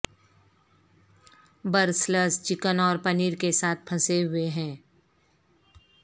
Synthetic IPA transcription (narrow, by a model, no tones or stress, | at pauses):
bəɾsləst͡ʃɪkənɔːɾpəniːɾkesaːt̪̚ʰpʰɐseɦʊeɦɛ̃ː